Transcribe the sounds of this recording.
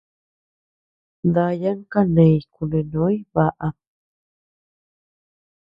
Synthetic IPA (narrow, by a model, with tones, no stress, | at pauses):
nd̪a˧ja˦ŋka˦nẽ˨˧jku˧nẽ˨nõ˦jβa˧ʔa˧p̚